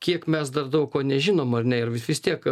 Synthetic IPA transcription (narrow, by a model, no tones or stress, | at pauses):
kʲiɛkmʲɛsd̪ɐrd̪ɐʊkkoːnʲɛʒʲɪnoːmɐrnʲɛɪɾʋʲɪsʋʲɪst̪ʲiɛk